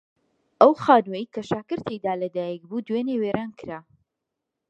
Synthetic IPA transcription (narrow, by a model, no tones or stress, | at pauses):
ʔɐwxaːnwejikʰɐʃaːkɨɾt̪ʰekd̪aːlɐd̪aːjɛk̚buːd̪weneweːɾaːnkɨɾaː